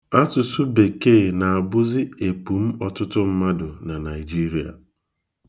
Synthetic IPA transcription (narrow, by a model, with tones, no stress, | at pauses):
a˦tʊ˨sʊ˦be˨ke˦˨na˨a˨bʊ˦zɪ˦e˨pu˨m̩˦ɔ˨tʊ˦tʊ˦m̩˦ma˦dʊ˨na˨na˨ɪ˨d͡ʒi˦ɾi˨˦a̰˨